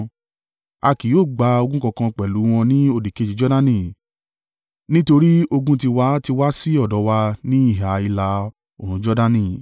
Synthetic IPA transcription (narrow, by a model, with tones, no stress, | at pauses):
a˧ki˨˦o˦˨ɡ͡ba˧o˧ɡũ˦kɔ̃˧kã˧k͡pɛ˨lu˨˦w̃ɔ̃˧nĩ˦o˧˨di˨ke˧˦d͡ʒi˨˦d͡ʒɔ˦da˦nĩ˧˨ | nĩ˦to˧ɾi˦o˧ɡũ˦t̬i˧wa˦ti˧wa˦si˦ɔ˦˨dɔ˨˦wa˧nĩ˦i˦˨ɦa˨i˧la˧ | o˨ɾ̃ũ˨˦d͡ʒɔ˦da˦nĩ˧˨